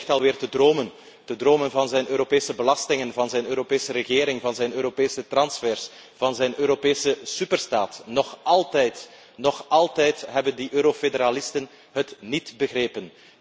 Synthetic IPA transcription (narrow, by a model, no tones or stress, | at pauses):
xtɑlˠʋɪːrtədroːmən | tədroːmənvɑnzɛjnʔøːɾopeːsəbəlɑstɪŋənvɑnzɛjnøːɾopeːsəɾəɣeːɾɪŋvɑnzɛjnøːɾopeːsətrɑnsfɛːrs | v̥ɑnzɛjnʔøːɾopeːsəsypərstaːtnɔxʔɑlˠtɛjt | nɔxɑlˠtɛjtɦɛbəndiʔøːɾofedəɾaːlɪstən | ɦətnitbəɣreːpən